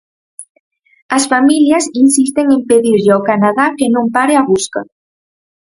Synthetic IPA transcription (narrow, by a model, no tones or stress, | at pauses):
asfamiljɐsinsist̪eŋempeðiɾʎakanaðakenõmpaɾeaβuska̰